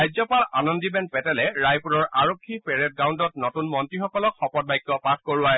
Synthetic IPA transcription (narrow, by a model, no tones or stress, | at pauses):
ajzɔpalanɔndibɛnpɛtɛlɛɹajpuɹɔɹʔaɹokʰːipɛɹɛt̚ɡawndɔt̚nɔtunmɔntɹixɔkɔlɔkxɔpɔt̚bajkːɔpat̚ʰkoɹʊaɦɛ